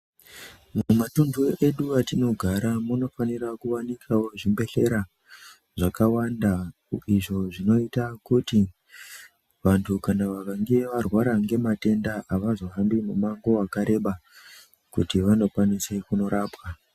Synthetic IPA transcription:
mumatunduʔe̞ɗuatino̞ɡʱaɾamuno̞fanirakuʋanikʰawo̞ʐimbe̞ɬe̞ɾa | ʐakawanda | iʐo̞ʐino̞itakuti | ʋantʰukanaʋakaŋɡeʋarwaɾaŋɡe̞mate̞ndaʔaʋazo̞ɦambimumaŋɡo̞akaɾe̞ɓa | kutiʋano̞kwanise̞kuno̞ɾaːpwa

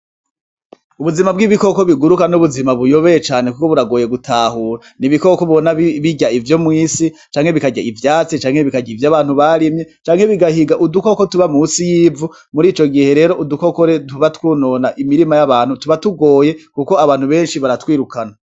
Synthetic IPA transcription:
uβuzimabɡiːβiko̞ko̞βiɡuɾukanuβuzimaβujo̞βe̞jet͡ʃaːne̞kuko̞βuɾaɡo̞ːje̞ɡutʰaːhuːɾaniβiko̞koβonaβiɟaivjo̞mŋiːsi | t͡ʃaːŋhe̞βikaɟaivjaːt͡sit͡ʃaːŋhe̞βikaɟiːvjaːβaːn̥huβaɾimɲe̞t͡ʃaːŋhe̞βiɡahiɡaʔuduko̞ko̞tuβamusijiːvu | muɾiːt͡ʃo̞ɡihe̞ɾe̞ːɾo̞ʔuduko̞koɾetuβatwuːno̞naʔimiɾimajaβaːnhutuβatuɡo̞ːje̞kuko̞aβaːn̥huβe̞ːnʃiβaɾatwiːɾukana

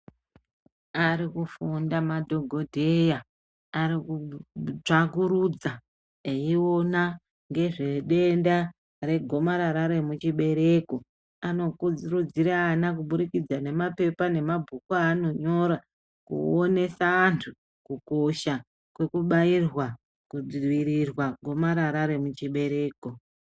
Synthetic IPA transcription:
aɾikufundamadʱo̞ɡʱo̞dʱe̞ja | aɾikut͡ʂakuɾud͡za | eiwo̞na | ŋɡe̞ʐe̞ɗe̞nda | re̞ɡʱo̞maɾaɾaɾe̞mut͡ʃiɓe̞ɾe̞ko | ano̞kuirud͡ziɾaːnakuɓuɾikid͡zane̞mape̞pane̞mabʱukwaːno̞ɲo̞ɾa | kṵone̞saːntʰu | kuko̞ʃa | kwe̞kuɓairwa | kud͡ziwiɾirwaɡʱo̞maɾaɾaɾe̞mut͡ʃiɓe̞ɾe̞ːko̞

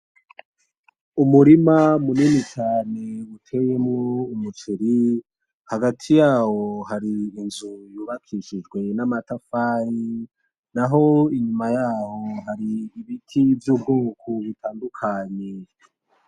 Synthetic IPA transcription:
umuɾimamuninit͡ʃaːne̞utʰe̞jemŋoumut͡ʃeɾi | haɡatʰijaːho̞haɾiːnzujuβakʰiʃid͡ʒɡwe̞namatafaːji | naɦo̞iɲumajaːho̞ɦaɾiːβitʰivjobɡoːkʰoβitʰaːndukʰaːɲe

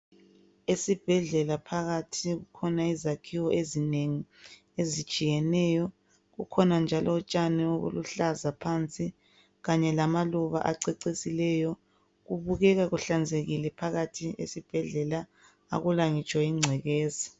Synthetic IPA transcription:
esib̥ʱɛɮɛlapʰaɣatʰiɣukʰɔnaizakʰiwɔʔezineŋi | ezit͡ʃʼijɛnɛːjɔ | ɣukʰɔnand͡ʒʱalɔːt͡ʃʼanɛoɣṵluɬazapʰant͡sʼi | ɣaɲɛlamaluβa̰ʔa̰ǀɛǀisilɛjɔ | ɣuβuɣɛɣaɣuɬand͡zʱeɣilɛpʰaɣatʰiḛsib̥ʱɛɮɛla | a̰ɣulaŋit͡ʃʼwaiŋ͡ǀʱɛɣeːzi

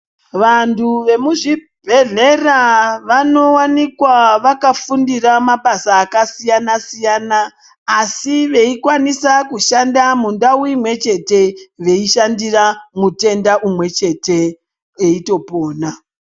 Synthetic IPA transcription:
ʋantʰuʋe̞muʐi | bʱe̞ɮe̞raʋano̞wanikwaʋakafundiramaɓasaːkasijanasijanaː | siʋe̞ikwanisakuʃandamundauimwe̞t͡ʃe̞te̞ʋe̞iʃandiramute̞ndaʔumwe̞t͡ʃe̞te̞ | eito̞po̞ːna

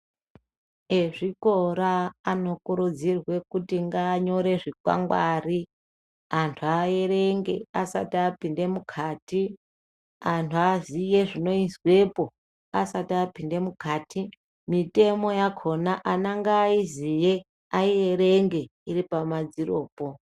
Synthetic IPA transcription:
e̞ʐiko̞ɾaːno̞kuɾud͡zirwe̞kutiŋɡaːɲo̞ɾe̞ʐikwa̰ŋɡwari | antʰuae̞ɾe̞ŋɡe̞̰asa̰tiapinde̞mukʰaːti | antʰuazije̞ʐino̞izwe̞po̞ | asatiapinde̞mukaːti | mite̞mo̞jakʰo̞naʔanaŋɡaːizije | aiere̞ŋɡe̞iripamad͡ziro̞ːpo

